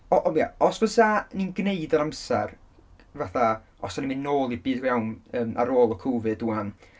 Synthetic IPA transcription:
ɔʔɔma̰ɔsvəsaninɡneɨdəɾamsɛr | vaθa | ɔsanimɨnnoːlˠibɨːdrjawnəːma̰ɾoːlˠɔkʰuwvɨduan

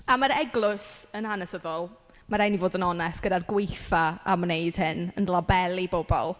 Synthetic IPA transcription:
amaɾɛɡlˠʊsənhanɛsəðɔlˠ | maɾajnivoːdənɔnɛstɡ̥ədarɡwejθaamnejd̥hɪnənlˠabɛlˠibobɔ̰lˠ

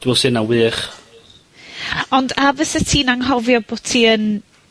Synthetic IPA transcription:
d̥wəlˠsɪnawɨːχ | ɔndavəsətʰiːnaŋɦɔvjɔbotʰiən

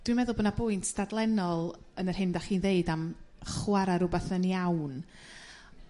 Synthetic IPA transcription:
d̥wimɛðʊlˠbonabʊɨntʰsd̥adlˠɛnɔlˠ | ənər̥hɪndaχiːnðeɨdamχwaɾaɾʊbaθənjawn

